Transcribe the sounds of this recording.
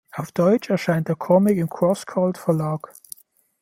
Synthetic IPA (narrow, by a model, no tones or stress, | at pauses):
aʊfd̥ɔʏt͡ʃɛɐʃaɪnt̚d̥eːɐkʰɔmɪkɪmkʰʁ̥ɔskʰaltfɛɐlaːk